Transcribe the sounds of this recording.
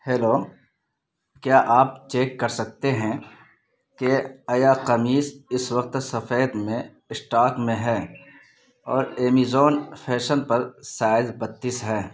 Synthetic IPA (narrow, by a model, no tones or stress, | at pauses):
heːloː | kjaːʔaːp̚t͡ʃeːkːɐɾsɐk̚t̪eɦɛ̃ | keɐjaːqɐmiːsɪswɐq̚t̪sɐfeːd̪mẽ | ɪsʈaːkmẽɦɛː | ɔːɾeːmizoːnfʰɛːʃənpɐɾsaːɪzbɐt̪ːiːsɦɛː